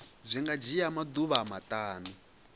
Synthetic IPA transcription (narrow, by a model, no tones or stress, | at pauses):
zʷiŋɡad͡ʒijamad̪uβamataːnu